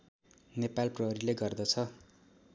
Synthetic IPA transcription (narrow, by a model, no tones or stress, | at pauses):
nepalprʌɦɾileɡʌrd̪ʌt͡sʰʌ